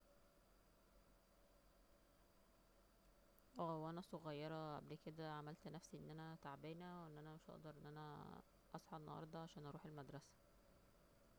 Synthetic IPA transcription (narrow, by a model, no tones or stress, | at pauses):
ʔæːwʔænæsoɣæjːɑɾˤɑʔæ̰blked̪æʕamælt̪næfsiʔḛnːʔænæt̪aʕbeːnæwʔenːʔænæmeʃʔɑ̰ʔd̪ˤɑɾˤʔenːʔænæ | ʔɑsˤħɑʔnɑ̰hɑ̰ɾˤd̪ˤɑʕaʃæːnʔɑɾˤuːħelmæd̪ɾˤɑsæ̥